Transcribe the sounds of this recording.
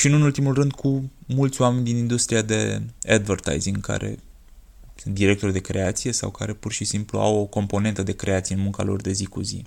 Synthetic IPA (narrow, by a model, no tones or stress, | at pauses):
ʃinunult̪imulrɨnd̪kʰumult̪sʲoame̞nʲd̪inind̪ust̪ɾiad̪e̞̰ad̪vərt̪a̰jziŋɡkʰa̰ɾʔe̞̰ | sɨnt̪̚d̪iɾe̞k̚t̪o̞rʲd̪e̞kɾe̞at̪sije̞sa̰wkaɾe̞purʃisimplṵa̰wo̞ko̞mpo̞ne̞nt̪əd̪e̞kɾe̞at̪sijenmuŋka̰lo̞̰rd̪e̞zikuzḭ